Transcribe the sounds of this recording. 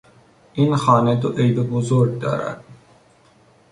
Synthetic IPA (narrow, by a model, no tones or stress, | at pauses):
inxɑːnet̪oʔejbebozoɾɡ̚d̪ɒ̰ːɾa̰d̪̥̚